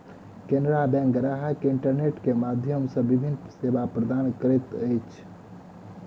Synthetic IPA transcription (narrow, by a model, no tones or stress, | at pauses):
kenɾabɛ̃ŋɡɾaɦakeɪɳʈəɾneʈkemad̪ʱjəmsə̃bibʱinseːbapɾəd̪aːnkəɾet̪ət͡ʃʰ